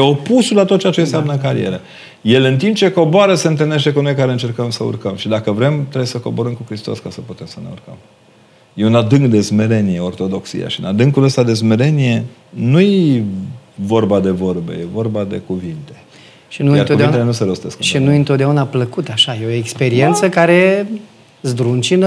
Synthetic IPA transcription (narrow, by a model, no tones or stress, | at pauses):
jeo̞pusulat̪ot̪̚t͡ʃeat͡ʃens̬eamnəɨŋkaɾḭḛɾə | je̞lɨnt̪impt͡ʃe̞ko̞boaɾəse̞ɨnt̪ɨlne̞ʃt̪e̞kuno̞jkaɾeɨnt͡ʃerkəmsəṵrkəmʃid̪akəvɾe̞mt̪ɾebjesəko̞bo̞ɾəmkukɾist̪o̞̰skasəput̪e̞msəne̞ṵrkə̰m | je̞unad̪ɨŋkd̪e̞zme̞ɾe̞nije̞o̞rt̪o̞d̪o̞ksḭja̰ʃiɨnad̪ɨŋkuləst̪ad̪e̞zme̞ɾe̞nije̞ | nuje | vo̞rbad̪e̞vo̞rbḛjevo̞rbad̪e̞̰kuvint̪e̞̥ | ʃinujaɾouveieenuseɾost̪eskʃinujɨnt̪ot̪̚d̪eunapləkut̪aʃaje̞oekspe̞ɾie̞nt̪səkaɾe̞ | zd̪ɾunt͡ʃin